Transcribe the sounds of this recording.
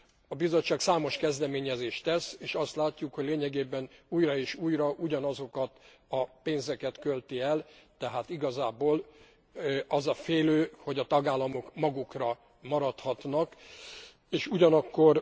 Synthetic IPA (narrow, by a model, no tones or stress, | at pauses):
ɒbizo̞t͡ʃːaːksaːmo̞ʃkɛzd̪ɛmeːɲɛzeːʃt̪ɛseːʃɒst̪laːcːukho̞ɟʲleːɲɛɡeːbɛnuːjrɒeːʃuːjrɒʔuɟɒnɒzo̞kɒt̪ | ɒpeːnzɛkɛt̪kølt̪iɛlt̪ɛɦaːt̪iɡɒzaːboːl | ɒzɒfeːløːho̞ɟɒt̪ɒɡaːlːɒmo̞kmɒɡukrɒ | mɒɾɒt̪hɒt̪nɒk | eːʃuɟɒnɒkːo̞r